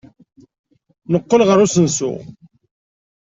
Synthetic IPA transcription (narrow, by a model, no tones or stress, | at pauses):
nəqːəlʁəɾusənsṵ